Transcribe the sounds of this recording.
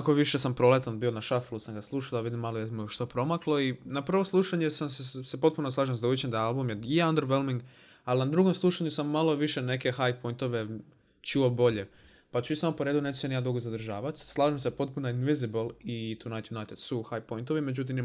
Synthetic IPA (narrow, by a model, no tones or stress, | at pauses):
akoʋiʃesampɾolet̪anbio̞naʃafelusamɡaslˠuʃalaʋid̪imːalojemuʃt̪o̞pɾo̞maklˠo̞inapr̩ʋoslˠuʃaɲesamssepo̞t̪̚punoslˠaːʒemzauit͡ɕend̪aalˠbumjeijeand̪əɾʋelmiŋɡ | alinad̪ɾuɡo̞mslˠuʃaɲusamːalˠo̞ʋiʃene̞ke̞xajpo̞jnt̪o̞ʋe̞ | t͡ʃuo̞bo̞ʎe | pat͡ʃuisamopo̞ɾe̞ːd̪une̞t͡ʃe̥senijmad̪ɾuɡozad̪r̩ʒaːʋat̪slˠaːʒemsepo̞t̪̚punoinʋiziblˠit̪unajt̪junajt̪ed̪suxajpo̞jnt̪oʋime̞d͡ʑut̪̬imi